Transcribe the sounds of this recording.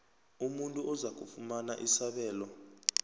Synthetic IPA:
umuntʼuɔzak̬ufumana̰ʔisaɓɛːlɔ

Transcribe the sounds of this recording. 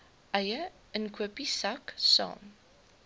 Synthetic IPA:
ʔɐjə | ənkʰuəpisɐksɑ̰ːm

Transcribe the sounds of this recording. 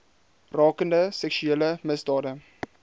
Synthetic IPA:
rɑːkəndəsɛkʃyeːləməsdɑːdə

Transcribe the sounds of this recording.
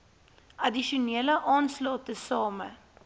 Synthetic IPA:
ʔɐdiʃuniələʔɑːnslɑːtəsɑːmə̰

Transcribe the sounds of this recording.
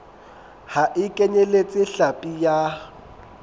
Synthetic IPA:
haʔɪkʼeɲelet͡sʼɪɬapʼija

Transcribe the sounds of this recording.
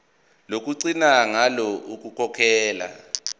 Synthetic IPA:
lok̬ʼuǀinaŋalɔʔuk̬ʼukʰɔkʰɛːla̰

